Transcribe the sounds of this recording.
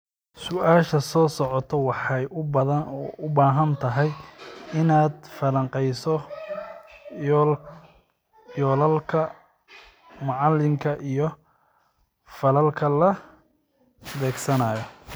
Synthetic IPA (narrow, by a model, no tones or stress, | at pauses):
sʊʔaːʃɐsɔːsɔʕɔt̪ʰɔwɑħɑjʔʊbɐðɐnɔːʊbaːɦɐnt̪ʰɐɦɛjɪnaːd̪fɐlɐŋqɛjsɔ | jɔːlɐlkʰɐ | mɑʕɑlːɪŋkʰɐʔijɔ | fɐlɐlkʰɐlɐ | bɛːɡsɐnaːjɔ